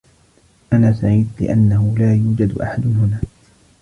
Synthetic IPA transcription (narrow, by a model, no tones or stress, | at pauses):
ʔanaːsaʕiːd̪lɪ̰ʔanːahʊlaːjuːd͡ʒad̪ʔa̰ħad̪hʊnaː